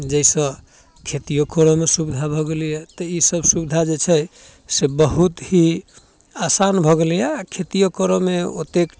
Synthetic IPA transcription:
d͡ʒəɪsə̃ | kʰet̪ijokɔɾɔmesubid̪ʱabʱɔɡeljɛt̪ɔisəbʱsubid̪ʱad͡ʒet͡ʃʰɛ | sebəɦut̪ɦi | asanbʱɔɡeljɛakʰet̪ijokɔɾɔmeo̰t̪ek

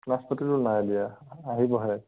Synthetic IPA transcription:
naspɔtitunajalijaːɦibɔɦɔj

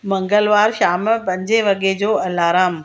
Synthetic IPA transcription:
mɐ̃ŋɡəlʋaːɾʃaːmpɐ̃ɲd͡ʑeʋɐɠed͡ʑoːɐlaːɾaːm

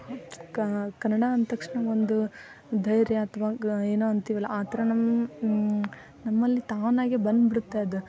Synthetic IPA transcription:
kɐkɐnːɐɽaɐnt̪ɐkʂɳɐond̪u | d̪ʱɐjɾjɐːt̪ʰɐʋaeːnoːɐnt̪iːʋɐlːɐʔaːt̪ɐɾɐnɐm | nɐmːɐlːit̪aːʋnaːɡebɐnd̪biɽut̪ːaːjɐd̪u

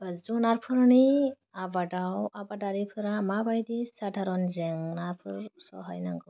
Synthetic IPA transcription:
bazunaɾpʰɯɾni | abadawabadaɾipʰɯɾamabajdisadʰaɾɔnzɛŋnaɾpʰɯɾsɔ̰ɦajnaŋɡɔ

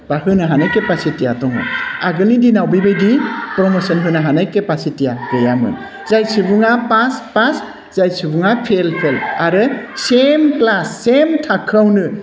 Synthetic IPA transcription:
b̥ahɯnɯɦanajkepasitijatɔŋɯ̰aɡɯlidinawbibajdipɾɔmɔsɔnɦɯnaɦanajkepasitijaɡɯjamɯ̰ | zajsibuŋapaspas | zajsibuŋapʰelpʰelaɾɯsemklasːemtʰakʰawnɯ

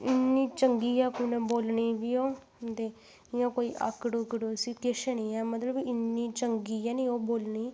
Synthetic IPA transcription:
ɪnːiːt͡ʃəŋɡiːɛːkuːnəboːlɳiːbiːoː | t̪eː | ɪãːkoːiːʔa̰kɽuːkɽuːsɪkeʃəniːɛːmət̪ləbɪnːiːt͡ʃəŋɡiːɛːniːoːboːlɳiː

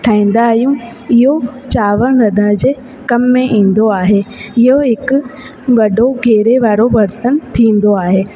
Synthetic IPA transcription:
ʈʰaːĩːn̆d̪aːɦijũ | ɪɦot͡ɕaːʋəɽ̃ɾɐd̪ʱəɽ̃d͡ʑeː | kɐmːẽʔĩːn̆d̪oaːɦeɪɦoɦɪkʊ | ɡɐɖʱoɡʱeːɾeʋaːɾoʋɐɾt̪ənt̪ʰĩːn̆d̪oaːɦeː

